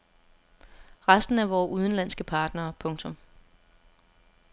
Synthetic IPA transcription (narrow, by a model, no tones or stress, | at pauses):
ʁasd̥n̩æʋɒːʔuð̞ˠn̩lænsɡ̥əpʰɑ̈ːd̥nɐːpʰɔ̽ŋt͡sʰɔ̽m